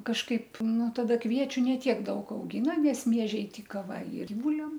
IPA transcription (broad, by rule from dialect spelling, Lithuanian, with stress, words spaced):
kɐʃˈkɐɪp ˈnʊ tɐˈdɐ ˈkʋʲiɛt͡ʃʲʊ nʲɛ ˈtʲiɛk ˈdɐʊk ɐʊˈɡʲiːnɐ nʲɛs ˈmʲiɛʒʲɛɪ ˈtʲiːkɐ ʋɐ ɪ ɪr ˈbuːlʲɛm